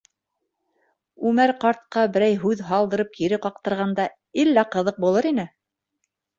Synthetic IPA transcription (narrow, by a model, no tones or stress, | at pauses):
ʉmæɾqɑɾt̪̚qɑbɘ̆ɾæjɦʉðɦɑlˠd̪ɤ̆ɾɤp̚kiɾɘqɑqt̪ɤ̆ɾʁɑnd̪ɑ | ilːæqɤ̆ðɤq̚bulˠɤɾinɘ